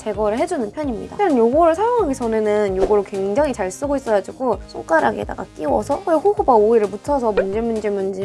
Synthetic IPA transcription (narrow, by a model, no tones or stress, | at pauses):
t͡ɕe̞ɡʌɾɯɭɦe̞d͡ʑunɯnpʰjʌɲimɲḭda̰knjoɡoɾɯɭs̬ʰajoŋɦaɡet͡ɕʰʌnenɯnjoɡoɾokwe̞ŋd͡ʑaŋit͡ɕaɭs͈ɯɡois͈ʌɾad͡ʑiɡos͈ʰo̰k͈aɾa̰ɡḛda̰ɡa̰k͈iwʌsʰʌeɸuhubaoiɾɯɭmutʰʌs̬ʰʌmund͡ʑemund͡ʑimund͡ʑi